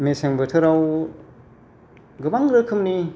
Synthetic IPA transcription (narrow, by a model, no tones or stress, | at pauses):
meseŋbɯtʰɯɾaw | ɡɯbaŋɾɯkʰɯmni